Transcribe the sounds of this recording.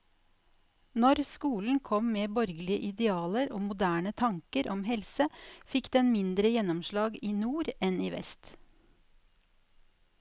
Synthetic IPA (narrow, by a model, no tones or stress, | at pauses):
nɔɾskuːln̩kʰɔmmeːbɔɾɡəlɪəʔɪd̪ɛɑːləɾoːmʊd̪æːɳət̪ʰɑŋkəɾʔɔmhɛlsəfɪkd̪ɛnmɪnd̪ɾəjɛnɔmʃlɑːɡiːnuːɾɛnḭːʋɛ̰st̪